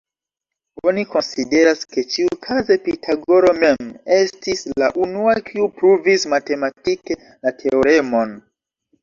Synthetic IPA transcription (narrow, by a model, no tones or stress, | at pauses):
o̞niko̞nside̞ɾaske̞t͡ʃiukʰaze̞pitʰaɡo̞ɾo̞me̞me̞stisla̰ʔunuakʰiupɾuvismate̞matike̞ | latʰe̞oɾe̞mo̞n